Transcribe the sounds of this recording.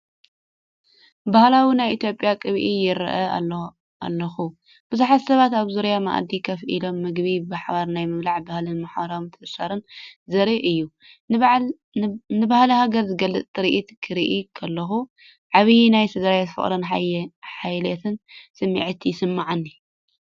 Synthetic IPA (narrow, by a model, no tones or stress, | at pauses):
bahlawinajʔit̪ʰjo̞pʼjakʼɨβʔijɪɾ̰ʔɐ̰ | a̰lːɐxu | b̥ɨzuħat̪sɐβat̪aβzuɾjama̰ʔd̪ikʰɐfʔḭlo̞mːɨɡβibɨħβaɾnajmɨβlaʕbahlɨnmaħβɐɾawint̪ʰɨsaɾɨnzɐɾiʔɨjːu | nɨbahlɐhaɡɐɾzɨɡɐlːɨt͡sʼt̪ʼɨɾiʔit̪kʰɨɾiʔikʰɐlːɐxu | ʕaβijnajsɨzɐɾajet̪fɨ̰χʼɾɐnħajlet̪ʰɨnsɨmːḭʕt̪ʰjɪsɨmːaʕanːi